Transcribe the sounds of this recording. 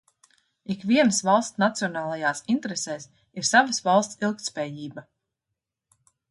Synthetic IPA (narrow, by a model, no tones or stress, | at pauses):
ikviɛnəsvɑlˠst̪nat̪siɔnaːlˠajaːsint̪eɾesɛːs | iɾsavəsvɑlˠst̪silˠk̚t̪spɛːjiːbɐ